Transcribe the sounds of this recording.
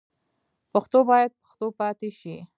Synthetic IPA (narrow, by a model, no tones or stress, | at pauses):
paxt̪obɑjad̪̚pə̥xt̪opɑt̪eʃi